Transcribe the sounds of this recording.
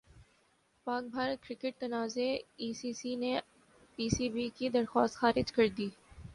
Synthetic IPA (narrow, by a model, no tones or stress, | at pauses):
paːk̚bʱaːɾət̪̚kɾɪkɪʈ̚t̪ɐnaːzeiːsiːsine | piːsiːbikid̪ɐɾxa̰ːst̪xaːɾɪd͡ʒkɐɾd̪iː